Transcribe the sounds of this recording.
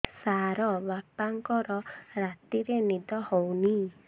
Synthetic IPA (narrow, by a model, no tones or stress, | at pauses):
saɾɔbapaŋkɔɾɔɾat̪iɾenid̪ɔhowni